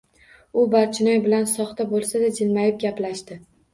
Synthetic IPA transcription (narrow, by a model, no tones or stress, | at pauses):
ʊbaɾt͡ʃʰɪnɒjbɪlansɒχt̪abolˠsad̪ad͡ʒɪlmajɪp̚ɡʲaplaʃt̪ɪ